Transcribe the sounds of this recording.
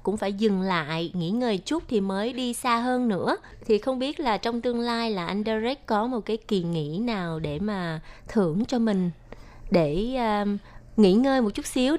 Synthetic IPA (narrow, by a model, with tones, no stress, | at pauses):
kʊ̰˧˥ŋ͡mfaː˧˩jzɨ˨˩ŋla̰ː˧˨jŋḭ˧˥ŋəː˨˩jt͡ɕu˦˥k͡p̚t̪ʰi˨˩məː˨˦jɗi˧saː˧ɦəː˧nːɨ̰˧˥ə | t̪ʰi˨˩xə˧wŋ͡mɓi˦˥ət̚laː˨˩t͡ɕɔ˧wŋ͡mt̪ɨ˧əŋlaː˧jlaː˨˩ʔa˧jŋ̟ɗaː˧zɛ˦˥k̚kɔ˨˦mo˨˩t̚kaː˨˦jki˨˩ŋḭ˧˥naː˨˩wɗe˧˩maː˨˩t̪ʰɨ˧˩əŋt͡ɕɔ˧mï˨˩ŋ̟ | ɗeː˧˩˧ | ŋḭ˧˥ŋəː˧jmo˨˩t̚t͡ɕu˦˥t̚si˨˦